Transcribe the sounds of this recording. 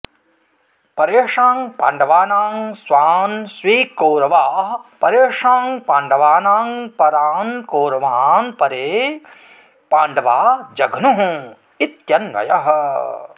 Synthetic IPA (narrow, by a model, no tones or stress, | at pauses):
pɐɾeːʂaːŋpa̰ːɳɖɐʋaːnaːŋsʋaːnsʋiːkoːɾɐʋaːɦpɐɾeːʂaːŋpaːɳɖɐʋaːnaːŋpɐɾaːnkoːɾɐʋaːnpɐɾeː | paːɳɖɐʋaːd͡ʒɐɡʱnuɦũ | it̪jɐnʋɐ̰jɐɦɐ